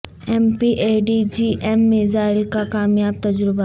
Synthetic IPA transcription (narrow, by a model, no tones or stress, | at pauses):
ɛːmpiʔeːɖid͡ʒiʔɛmːɪzaːɪlkakaːmjaːb̚t̪ɐd͡ʒɾʊba